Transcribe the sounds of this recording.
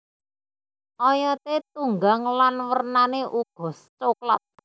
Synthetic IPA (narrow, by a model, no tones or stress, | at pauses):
ʔɔjɔt̪et̪̚uŋɡaŋlanwərnaneʔuɡ̥ɔ̤st͡ʃokla̰t̪̚